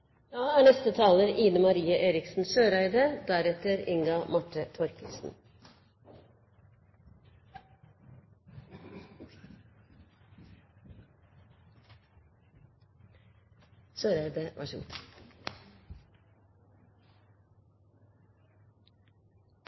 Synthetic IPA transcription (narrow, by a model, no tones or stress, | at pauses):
d̪ɑːæːɳɛst̪ət̪ʰɑːləɾʔiːnəmɑɾiːəʔeːɾɪksn̩søːɾæɪd̪əd̪æɾɛt̪əɾɪŋɡɑmɑʈət̪ʰɔɾkʰəlsn̩ | søːɾæɪd̪əʔɑ̰ʃ